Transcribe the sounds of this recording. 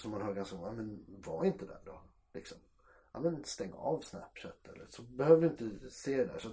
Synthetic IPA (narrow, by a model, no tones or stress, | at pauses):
sɔmːanhœːɾɡansɔmamɛnvaɪnt̪əd̪æ̰ɖɔ | lɪksɔm | amɛnst̪ɛŋːa̰ɑvsnæ̰pʂɛt̪ːɛ̰lːə̰ʂɔbɛhøːvəɾɪnt̪əseːd̪d̪æ̰ʂɔ